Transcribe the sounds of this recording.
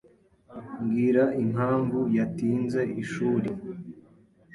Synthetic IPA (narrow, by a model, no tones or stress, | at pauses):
ŋɡiɾaiŋɦaːɱvujatiːnze̞ʔiʃuːɾe